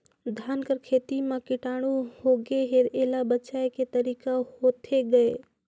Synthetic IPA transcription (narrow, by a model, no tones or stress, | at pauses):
d̪ʱjaːnkəɾkʰeːt̪imãkɪʈaːɽ̃uhoɡeɦeɾeːlabəːt͡ʃaeket̪əɾiːkahot̪ʰeɡəe